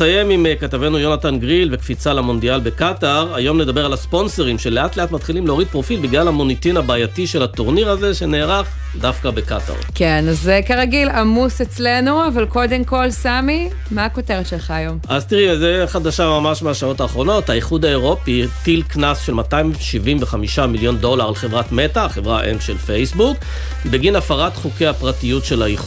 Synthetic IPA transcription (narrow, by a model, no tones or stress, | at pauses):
aje̞mimkat̪avenujo̞natanɡʁilve̞kfit͡salamo̞ndialbe̞kataʁajo̞mled̪abealaspo̞nso̞ʁimʃe̞leʔatleatmatχilimleoʁid̚pʁo̞filbiɡlalhamonit̪inhabaːjatiʃe̞latoʁniʁaze̞ʃe̞ne̞ːʁaχ | dafkabe̞ka̰ta̰ʁkenazekeʁaɡilamuset͡slenuavalko̞d̪emko̞lsami | maːko̞teʁetʃelχaːjo̞mʔazt̪iʁizeχadaʃamamaʃmeaʃao̞taːχʁo̞no̞thaiχudaeʁo̞pitilknasʃe̞lmataimʃivimveχamiʃamiljo̞ndo̞laʁleχe̞vʁatme̞taχevʁaʔḛmʃelfejsbuk | beɡinafaʁatχukejhapʁatijutʃe̞laiχ